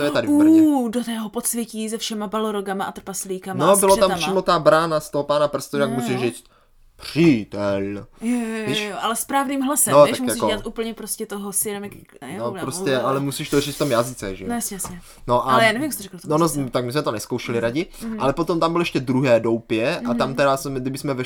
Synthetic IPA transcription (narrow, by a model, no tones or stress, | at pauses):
t̪ojɛt̪adɪudot̪ɛːɦopot̪svjɛciːzɛfʃɛmabaloɾoɡamaʔat̪r̩pasliːkamnobɪlot̪amppriːmot̪abɾaːnast̪oɦopaːnapr̩st̪oakmusiʃriːt͡st̪ | pr̥iːt̪ɛljviːʃʔalɛspɾaːvniːmɦlasɛnot̪aʃmkjasikoɛat̪ʔuːpl̩ɲɛpɾoscɛt̪oɦosɪɛnomjak | nopɾoscɛʔalɛmusiʃt̪orit͡sft̪omjazɪt͡sɛ̰ʒɛjjasɲɛjasɲɛ | noʔajaːnɛvimjst̪ɾɛklt̪nonot̪akmɪs̬mɛt̪onɛskowʃɛlɪɾaɟɪʔalɛpot̪omt̪ambɪloɛʃcɛd̪ɾuɦɛːdowpjɛʔat̪amt̪ɛɾasmɡdɪbɪsmɛvɛ